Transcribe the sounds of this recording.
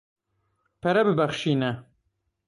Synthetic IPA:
pʰɛɾɛbɨbɐχʃiːnɛ

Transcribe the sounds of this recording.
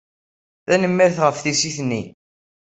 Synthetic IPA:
θænəmːæɾθʁəfθisiθnːi

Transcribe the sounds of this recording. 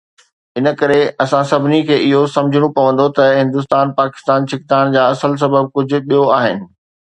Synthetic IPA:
ɪnə̆kɐɾeɐsãsɐbʱɪnikʰeːɪɦosɐ̃md͡ʑʱɪɽ̃õpɐʋə̃n̆d̪ot̪ɐɦɪ̃nd̪ʊs̬t̪aːnpaːkɪ̥st̪aːnt͡ɕʰɪk̚t̪aːɽ̃d͡ʑaːɐsəls̬ɐbəb̚kʊd͡ʑʱʊ̆ɗijoaːɦɪnɪ̆

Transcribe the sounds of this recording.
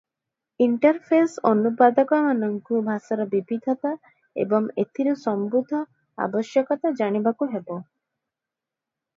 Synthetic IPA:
iɳʈɔɾpʰesɔnupad̪ɔkɔmanɔŋkubʱasaɾɔbibid̪ʱɔt̪a | ḛbɔŋet̪ʰiɾusɔmbud̪ʱɔ | a̰bɔsjɔkɔt̪ad͡ʒaɽ̃ibakuɦebɔ

